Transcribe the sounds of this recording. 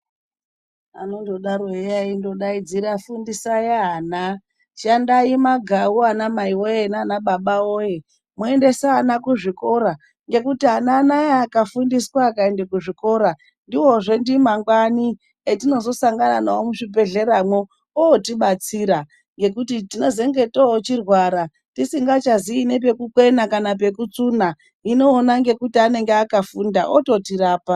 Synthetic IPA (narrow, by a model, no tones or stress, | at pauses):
ano̞ndo̞ɗaɾoejaindo̞ɗaid͡ziɾafundisajaɦana | ʃandaimaɡʱawuanamaiwojenaːnaɓaɓaoje | mue̞nde̞saːnakuʐiko̞ɾa | ŋɡe̞kutiɦananajaːkafundiswaːkaendekuʐiko̞ɾa | ndiwo̞ʐe̞ndimaŋɡwani | etino̞zo̞saŋɡananaomuʂibe̞ɮe̞ɾamwo | oːtiɓat͡siɾa | ŋɡe̞kutitino̞ze̞ŋɡe̞toot͡ʃirwaɾa | tisiŋɡat͡ʃaziːnep̬e̞kukwe̞nakanap̬e̞kut͡suna | ino̞ːnaŋɡe̞kutiane̞ŋɡeakafundaʔototiɾaːpa